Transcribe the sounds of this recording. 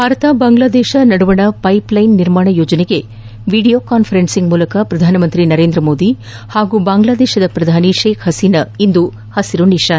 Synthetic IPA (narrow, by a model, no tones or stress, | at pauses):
bʱaːɾɐt̪ɐbaːŋɡlaːd̪ɛːʃɐnɐɽuʋɐɳɐpɐjplɐjnːiɾmaːɳɐjo̞ːd͡ʒɐneɡe̞ | ʋiːɖijoːkaːnpʰɐɾensiŋɡmuːlɐkɐpɾɐd̪ʱaːnɐmɐnt̪ɾinɐɾeːnd̪ɾɐmo̞ːd̪i | haːɡubaːŋɡlaːd̪ɛːʃɐd̪ɐpɾɐd̪ʱaːniʃeːkhɐsiːnɐind̪u | hɐsiɾuniʃaːn